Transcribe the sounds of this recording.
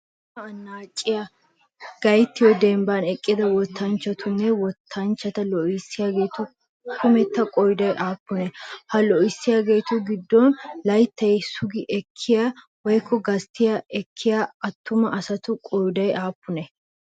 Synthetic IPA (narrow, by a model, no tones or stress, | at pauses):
ɐɐnːaːt͡ʃʼːɪjɐ | ɡ̥ɐjt̪ːɪjɔd̪ɛmbanɛkʼːɪd̪ɐwɔt̪ːɐnt͡ʃːɐt̪ʰʊnːɛwɔt̪ʰːɐnt͡ʃːɐt̪ɐlɔʔɪsːɪjaɡe̞ːt̪ʊ | kʰʊmɛt̪ːɐkʼɔjd̪ɐjʔaːpːʊnɛhɐlɔɪsːɪjaːɡeːt̪ʊɡɪd̪ːɔnlɐjt̪ʰːɐjsʊɡɪʔɛkʰːɪjaː | wɔjkːɔɡɐst̪ːɪjaʔɛkʰːɪjaɐt̪ːʊmɐʔɐsɐt̪ʊkʼɔjd̪ɐjʔaːpːʊnɛ